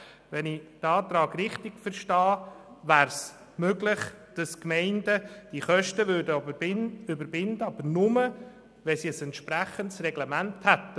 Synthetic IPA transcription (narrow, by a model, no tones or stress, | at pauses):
ʋɛnidɑːt̪ɾɑːɡrɪχtɪɡ̥fəɾʃtɑː | ʋæːɾs | møɡlɪχ | d̥ɑskmɛɪndəd̥iχœʃtəʋʏdə | ʏbəɾbɪndəɑbənʊmə | ʋɛsiəsɛntʃpɾæχəntsrɛɡlɛmænthæt̪ːə